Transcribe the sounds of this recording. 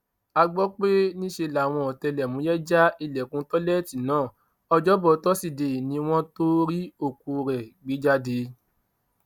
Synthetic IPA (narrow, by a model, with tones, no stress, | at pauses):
a˧ɡ͡bɔ˦k͡pe˦nĩ˦ʃe˧˨la˨w̃ɔ̃˧ɔ˨tɛ˧lɛ˨mũ˨˦jɛ˦d͡ʒa˦i˧˨lɛ˨kũ˨˦tɔ˦lɛ˦˨ti˨nãː˦˨ | ɔ˧d͡ʒɔ˦bɔ˧˨˦tɔ˦si˨de˨nĩ˧˦w̃ɔ̃˦to˦ɾi˦o˦˨ku˧˨ɾɛ˨ɡ͡bi˨˦d͡ʒa˦de˧